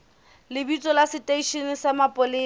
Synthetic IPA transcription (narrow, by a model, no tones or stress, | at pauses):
lɪbit͡sʼɔlasɪtʼeiʃinɪsamapʼʊliː